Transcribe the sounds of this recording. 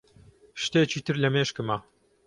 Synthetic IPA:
ʃt̪et͡ʃiːt̪ʰɨɾlɐmeːʃkɨmɐ

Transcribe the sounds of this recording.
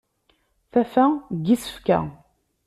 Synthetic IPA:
θæfæɡisə̥fkæ̰

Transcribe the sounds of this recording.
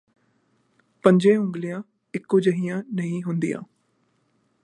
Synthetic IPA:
pə̃ɲd͡ʒẽːʊ̃ŋɡlɪjãː | ɪkːoːd͡ʒəɦijãːnəɦĩːɦʊnd̪ḭjã̰ː

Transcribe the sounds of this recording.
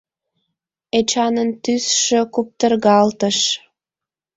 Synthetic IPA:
et͡ɕɑnənt̪ysʃøkup̚t̪ərɣɑlt̪əʃ

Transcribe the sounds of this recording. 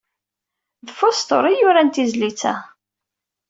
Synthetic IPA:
ðfost̪o̰ɾˤijʊɾænt̪izlit͡sːæ̰

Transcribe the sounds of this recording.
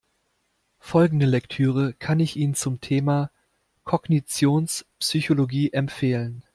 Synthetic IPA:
fɔlɡŋ̩dəlɛktʰyːʁ̞əkʰanɪçʔiːnənt͡sʊmtʰeːmaː | kʰɔɡnit͡sjoːnspsyçoloɡiːʔɛmfeːlən

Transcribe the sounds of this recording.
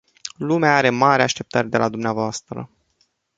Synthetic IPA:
lumeaaɾe̞maɾeaʃt̪e̞p̚t̪ərʲd̪e̞lad̪umneavoast̪ɾə̰

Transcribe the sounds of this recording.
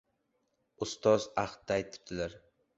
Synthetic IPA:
ʊst̪ɒzaχt̪̚ːaːjt̪ʰɪ̥p̚t̪ʰɪlaɾ

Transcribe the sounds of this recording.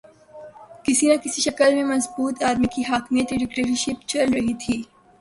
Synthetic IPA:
kɪsinɐkɪsiʃɐkəlmẽmɐzbuːt̪aːd̪mikiɦaːkmijət̪ɖɪkʈeɾiʃɪpt͡ʃɐlɾɐɦit̪ʰiː

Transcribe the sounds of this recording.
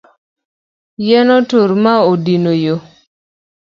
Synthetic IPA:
jɛnɔtoɾmaodinojo

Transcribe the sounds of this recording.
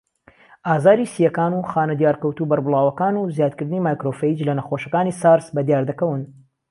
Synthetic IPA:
ʔaːzaːɾisijɐkaːnuxaːnɐd̪jaːɾkɐwt̪ubɐɾbɨlˠaːwɐkaːnuzjaːd̪̚kɨɾd̪ɨniːmaːjkɾofeid͡ʒlɐnɐxoʃɐkaːniːsaːɾsbɐd̪jaːɾd̪ɐkɐwɨn

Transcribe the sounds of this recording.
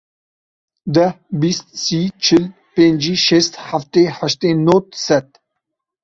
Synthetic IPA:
d̪ɐ | bist̪sit͡ʃʰil | pẽnd͡ʒiʃest̪haft̪ehaʃt̪enot̪sɐt̪

